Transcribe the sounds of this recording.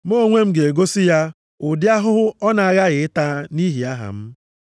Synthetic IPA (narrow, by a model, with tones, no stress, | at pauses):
mo˦˨ŋʷe˦m̩˦ɡe˨e˨ɡo˦sɪ˦ja˦ | ʊ˨dɪ˦a˦ɦʊ˦ɦʊ˦ɔ˦na˨a˦ɣa˦ɣɪ˨ɪ˦ta˦ni˦ɦi˨a˦ɦa̰˨m̩˦